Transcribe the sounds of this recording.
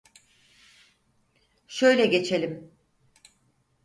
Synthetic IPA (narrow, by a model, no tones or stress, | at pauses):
ʃøjlʲɛɟe̞t͡ʃʰe̞lʲim